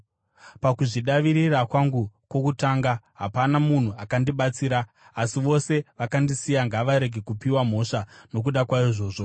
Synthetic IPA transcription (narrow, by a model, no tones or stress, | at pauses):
pakuʐiɗaʋiɾirakwaŋɡukwo̞kutaŋɡaɦapanamun̤uakandiɓat͡siːɾaː | siʋo̞se̞ʋakandisijaŋɡaʋaɾe̞ɡʱe̞kupiwam̤o̞ʂano̞k̬uɗakwaiʐo̞ːʐo̞